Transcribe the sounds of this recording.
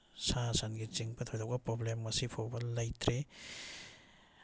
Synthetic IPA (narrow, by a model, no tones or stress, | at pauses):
sasanɡit͡ʃiŋpʰɐt̪ʰojdawɡɐpɾoblemːɐsipʰowbɐlajtɾe